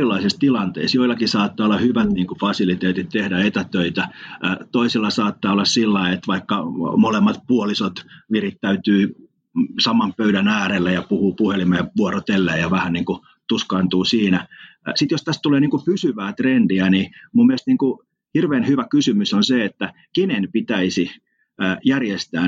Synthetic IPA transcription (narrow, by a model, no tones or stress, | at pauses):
ilːˑɑisist̪ilɑnt̪ḛːsjoilːɑkisɑːt̪ːɑːolːɑhyʋæt̪niːŋkufɑsilit̪eːt̪it̪̚t̪ehdæet̪æt̪øit̪æt̪oisilːɑsɑːt̪ːɑːolːɑssilːɑiet̪ʋɑikːɑmolemːɑt̪̚puolisot̪ʋirit̪tæyt̪yː | sɑmːˑɑmpøydænæːɾelːejɑpuhuːpuhelimejɑʋuorot̪elːeːjɑʋæhænniːŋku | t̪uskɑːnt̪uːsiːnæ | sit̪jost̪æst̪t̪uleːniːŋkupysyʋæːt̪rendiænimumːielest̪niːŋku | hirʋeːnhyʋækysymysonseet̪ːæ | kenenpit̪æisiː | jærjest̪æː